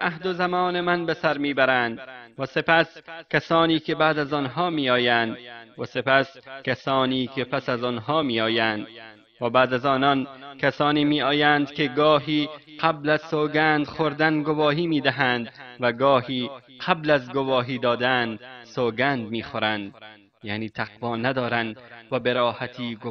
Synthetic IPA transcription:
ʔahd̪ozamɒːnemanbesaɾmiːbæɾænd̪væse̞pæskasɒːniːkʰebaːd̪azɒnɦɒːmiːɒːjæːnd̪væsepæskasɒːniːkʰepæsazɒnɦɒːmiːɒːjæːnd̪ | væbæːd̪azɒːnɒːnkʰasɒːniːmiːʔɒːjænd̪kʲeɡɒːɦiːqʰablæzsoːɡænd̪xoɾd̪anɡovɒːɦiːmiːd̪æɦænd̪væɡɒːhiːqʰablæzɡovɒːɦiːd̪ɒːd̪ænsoːɡænd̪̚miːxoɾænd̪ | jaːniːt̪ʰaqvɒːnad̪ɒːɾænd̪væbeɾɒːhat̪ʰiːɡ

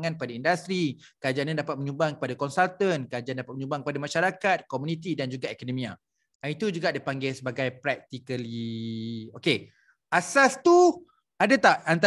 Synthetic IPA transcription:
ŋãnkpadaindast̪ɾi | kəad͡ʒaanɲãndapat̪̚məɲũbaŋkə̥padakɔnsalt̪ənkəad͡ʒandapat̪̚məɲũbaŋkəpadamaʃaɾakat̪̚komunĩt̪̬idand͡ʒuɡaʔɛkonɔmĩa | anit̪ud͡ʒuɡaʔdipaŋɡɛsəbaɡajpɾɛk̚t̪ikəli | oke | ʔasast̪u | adat̪aʔant̪

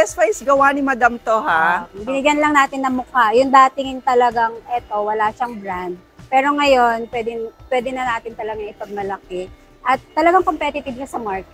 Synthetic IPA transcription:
ɛsfajsɡɐwanɪmɐd̪amt̪ohabɪnɪɡjɐnlɐŋnaːt̪ɪnːɐŋmːʊkajʊŋd̪aːt̪ɪŋɪŋt̪ɐlɐɡaŋʔɛt̪o̞wɐlaːʃɐŋbɾand̪̚ | pɛːɾo̞ŋɐjo̞npwɛd̪ɛnpwɛːd̪ɛnɐnaːt̪ɪnt̪ɐlɐɡaŋɪpɐɡ̚mɐlɐkɛ | ʔɐt̪ːɐlɐɡaŋko̞mpɛt̪ɪt̪ɪb̚ʃɐsɐmaɹkɛ

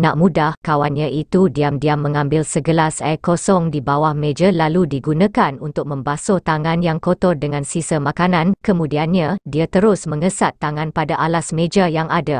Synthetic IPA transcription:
naʔmũdahkawanɲãʔit̪udiamdiamːə̃ŋãmbɪlsəɡəlasakosɔŋdibawahmed͡ʒalaludiɡunãkanunt̪ʊk̚mə̃mbasɔt̪aŋãnjaŋkot̪ɔrdəŋãnsisəmãkanãnkəmũdianɲadiat̪əɾʊsmə̃ŋəsat̪ːaŋãnpadaʔalasmẽd͡ʒajaŋada

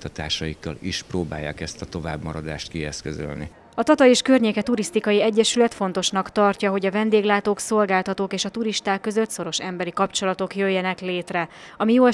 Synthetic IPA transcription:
t̪ɒt̪a̰ːʃɒjikːɒliʃproːba̰ːjːa̰ːkɛst̪ɒt̪o̞vaːbmɒɾɒd̪aːʃt̪kiɛskøzø̰lnḭ | ɒt̪ɒt̪ɒjeːʃkørɲeːkɛt̪uɾist̪ikɒjiɛɟːɛʃylɛt̪fo̞nt̪o̞ʃnɒkt̪ɒrcɒɦo̞ɟɒvɛnd̪eːɡlaːt̪oːkso̞lɡaːlt̪ɒt̪oːkeːʃɒt̪uɾiʃt̪aːkːø̞zøt̪so̞ɾo̞ʃɛmbɛɾikɒpt͡ʃo̞lɒt̪o̞kjøjːɛnɛkleːt̪rɛɒmijoːɛ

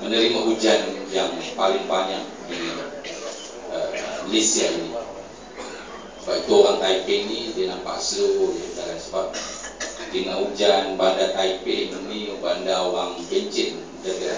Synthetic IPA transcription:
mənəɾimaɦud͡ʒanjaŋpalɪŋbaɲak̚di | əlisiaini | səbait̪uoɾaŋk̪aipenidinampa̰sojadalansəbap̚ | dəŋaud͡ʒanbandat̪aipenuniubandaoɾaŋbəɲt͡ʃɪt̪̚ | daɡa

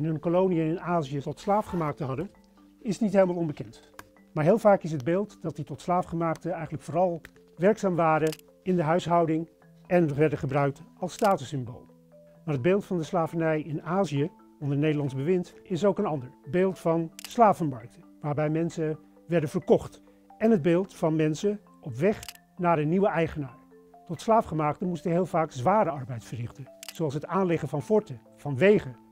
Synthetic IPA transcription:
ɪnɦɵnkolownijəɪnaːzijətɔtslaːfχəmaːk̚təɦɑdən | ɪsnitɦejləmalˠɔnbəkɛnt | maːɹɦɪːlˠvaːkɪs̬ɦəd̚beːlˠtdɑt̚ditɔtslaːfχəmaːk̚təɛjχənləkfoːrɑlˠ | ʋɛɹksaːmʋaːɾə | ɪndəɦœɥsɦɑwdɪŋ | ɛnʋɛɹdəχəbrœɥk̚tɑlˠstaːtəsɪmbo̰lˠ | maːɹɦəd̚beːlˠtfɑndəslaːvənɛjɪnaːzijə | ɔndəɹnejdəɹlɑnzbəʋɪntɪsowkənɑndəɹbeːlˠtfɑnslaːvənmɑɹk̚təʋaːɹbɛjmɛnsə | ʋɛɹdənvəɹkɔχt | ɛnɦəd̚beːlˠtfɑnmɛnsə | ʔɔpʋɛχ | naːɹdəniʋəɛjχənaːɹ | tɔtslaːfχəmaːktəmustəɦeɪːlˠvaːkzʋaːɾəɑɹbɛjtfəɹrɪχtəzowɑlˠsɦətaːnlɪχənvɑnfɔɹtə | v̥ɑnʋejχə

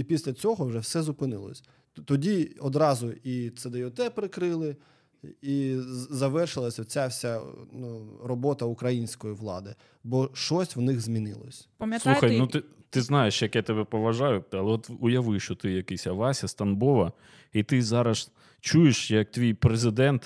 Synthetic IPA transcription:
ipʲisʲlʲɐt͡sʲɔɦɔwʒɛwsɛzʊpɪnɪlˠɔ̰sʲ | t̪ɔdʲiɔd̪ɾɑzʊit̪sɛd̪ɛjɔt̪ɛpɾɪkɾɪlˠɪ | izɐʋɛrʃɪlˠɐsʲɐt͡sʲawsʲanurɔbɔt̪ɐʊkɾɐjinʲsʲkɔjiʋlˠɑ̰d̪ɪ | bɔʃɔsʲwnɪxzmʲinɪ̰lˠɔ̰sʲpɐmjsuxɐjnut̪ɪt̪ɪznɑjeʃjɐkat̪ebɛpɔʋɐʒɑjʊt̪ɛɐlˠɛɔt̪ʊjɐʋɪʃt͡ʃɔt̪ɪjɐkɪsʲɐʋɑsʲɐst̪ɐnbɔʋɐ | it̪ɪzɑɾɐs | t͡ʃujeʃjɐk̚t̪ʋʲijpɾezɪd̪ɛnt̪

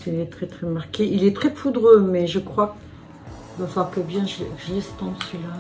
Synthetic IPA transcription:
ilɛt̪χɛt̪χɛmaʁkʲeʔilɛt̪χɛpʰud̪ʁømɛʒəkχwa | d̪wafaʁkəbjɛ̃ʒɛʒəlɛst̪ɑ̃d̪əsila

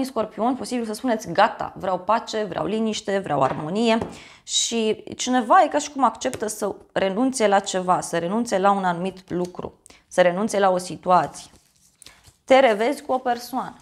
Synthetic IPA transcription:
isko̞rpio̞npo̞sibilsəspune̞t̪sʲɡat̪a̰vɾeawpat͡ʃe̞vɾea̰wliniʃt̪e̞vɾea̰wa̰rmo̞nije̞ | ʃit͡ʃine̞vaje̞kaʃi̥kumakt͡ʃe̞pt̪əsəre̞nunt̪se̞lat͡ʃe̞vasəɾe̞nunt̪se̞launanumit̪lukɾṵ | səɾe̞nunt̪se̞lao̞sit̪uat̪si̥je | t̪e̞ɾe̞ve̞zʲkuo̞pe̞rsoanə

